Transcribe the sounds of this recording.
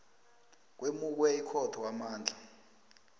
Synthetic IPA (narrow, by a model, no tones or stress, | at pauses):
k̬wemuk̬wɛikʰɔtʰɔwamaːnd͡ɮʱa